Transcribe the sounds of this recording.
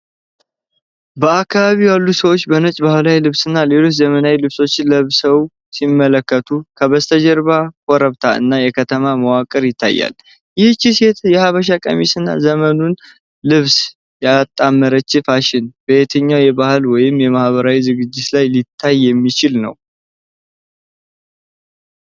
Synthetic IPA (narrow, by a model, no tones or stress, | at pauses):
bəakʰːaβaβijalːusəwo̞t͡ʃːbənət͡ʃʼbahɨlawjlɨβsɨnːale̞lo̞t͡ʃzəmənawilɨβso̞t͡ʃːɪnləβsəw | simːələkːət̪ʰukʰəβəst̪ʰəd͡ʒɛɾβakʼɔɾəβt̪ʰaɨ̰nːajɛkʰət̪ʰəmaməwakʼəɾjɪt̪ʰːa̰jːa̰l | jɪht͡ʃːise̞t̪ʰjɛhaβəʃ̬akʼə̰misɨnːa̰zəmənun | lɨβs | jat̪ʼːamːəɾət͡ʃːɪfaʃɪnb̥əet̪ʰəɲːawjɛbahɨlwɔjɪmːjɛmahβəɾawizɨɡɨd͡ʒːɪt̪lajlit̪ʰːajːɛmːit͡ʃɪlnə̰w